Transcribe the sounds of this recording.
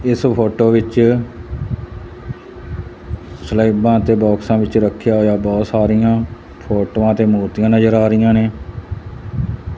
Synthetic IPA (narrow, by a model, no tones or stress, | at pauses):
ɪspʰoːʈoːʋɪt͡ʃ | slaibãːt̪eːbɔːksãːʋɪt͡ʃɾəkʰːjaːɦoːjaːbɔːt̪saːɾijãː | pʰoːʈoːãːt̪eːmoːɾt̪ijãːnəzəɾaːɾɪjãːneː